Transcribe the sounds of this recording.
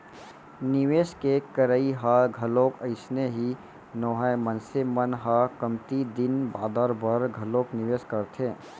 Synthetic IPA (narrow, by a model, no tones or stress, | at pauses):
nɪʋeːskekəɾəiɦaːlɡʱɐloːkəɪsneɦi | noːɦəjmənsemənɦakəmt̪id̪ɪnbaːd̪əɾbəɾɡʱɐloːknɪʋeːskɐɾt̪ʰẽː